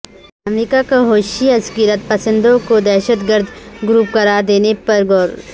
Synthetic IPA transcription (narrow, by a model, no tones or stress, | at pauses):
ɐmɾikakaɦoːʃiɐskɪɾət̪̚pɐsə̃nd̪õkod̪ɛːʃət̪ɡəɾd̪ɡɾuːp̚kɐɾad̪eːnepɐɾɡɔːɾ